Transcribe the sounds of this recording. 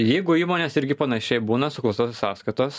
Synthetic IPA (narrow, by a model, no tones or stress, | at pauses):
jɛɪɡʊiːmoːnʲeːsɪɾʲɡʲɪpɐnɐʃʲɛɪbuːnɐsʊklˠɐst̪oːsʲsɑːskɐt̪oːs